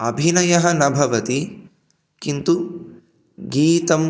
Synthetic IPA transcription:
ɐbʱinɐjɐɦɐnɐbʱɐʋɐt̪i | kint̪u | ɡiːt̪ɐm

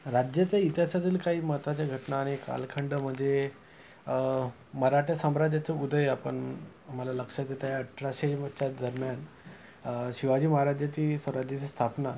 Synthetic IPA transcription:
ɾad͡ʑjət͡s̪eit̪jasat̪iːlkaɦiːməɦət̪ʋat͡ɕjaɡʱəʈnaːɽ̃ika̰lkʰəɳɖəm̤əɳd͡ze | məɾaʈesamɾad͡ʑat͡seud̪ʱəeapəɳ | am̤alaləkʂat̪et̪ajaʈɾaɕet͡ɕad̪əɾmjan | ɕiʋad͡ʑiːməɦaɾad͡ʑjat͡ɕiːsʋəɾad͡ʑt͡sest̪ʰapna

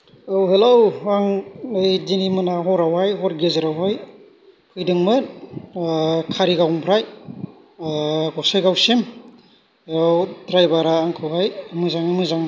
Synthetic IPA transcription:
owɦelowaŋɯjdinimɯnaɦɔɾawhajɦɔɾɡezɯɾawɦaj | pʰɯjdɯŋmɯn | kʰaɾiɡawŋpʰɾaj | ɡɔsɯjɡawsim | eɾawdɾajbaɾaːŋkʰɯwɦajmɯzaŋimɯzaŋ

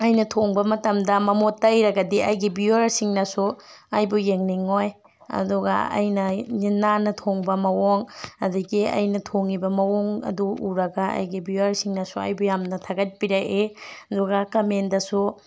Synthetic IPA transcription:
ɐjnɐtʰoŋbɐmɐtɐmdɐmɐmotːɐjɾɐɡɐdiɐjɡibiɐɾsiŋnɐsuɐjbujeŋniŋoj | ɐ̰duɡɐ̰ɐ̰jnɐninːanɐtʰoŋbɐmɐwoŋɐduɡiɐ̰jnɐtʰoŋibɐmɐwoŋɐ̰duuɾɐɡɐɐ̰jɡibiɐɾsiŋnɐsuɐ̰jbujamnɐtʰaɡɐt̚piɾɐʔeɐduɡɐkɐmendɐsu

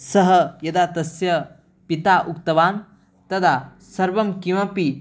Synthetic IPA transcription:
sɐɦɐjɐd̪aːt̪ɐsjɐ | pit̪aːʔukt̪ɐʋaːn | t̪ɐd̪ʰa | sɐɾʋɐmkiʋɐpi

